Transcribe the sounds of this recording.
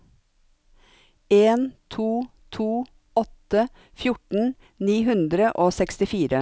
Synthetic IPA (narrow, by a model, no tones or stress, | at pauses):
eːnt̪ʰuː | t̪ʰuː | ɔt̪ə | fjʊʈn̩ | niːɦʉnd̪ɾəʔoːsɛkst̪ɪfiːɾə